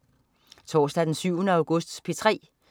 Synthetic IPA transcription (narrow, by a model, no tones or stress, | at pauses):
t͡sʰɒ̰ːsd̥æd̥ensyʊənəɑ̈ʊɡ̥ɔsd̥spʰet͡sʰʁɛ̰ː